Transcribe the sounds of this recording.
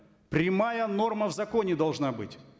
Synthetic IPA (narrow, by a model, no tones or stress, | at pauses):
pɾʲɪmajəno̞rməvzɐkonʲɪd̪ɐlˠʐnabɨtʲ